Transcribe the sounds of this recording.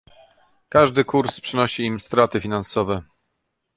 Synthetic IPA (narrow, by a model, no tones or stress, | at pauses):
kaʐd̪ɘkuɾspʂɘnɔɕiːmst̪ɾat̪ɘfʲinansɔvɛ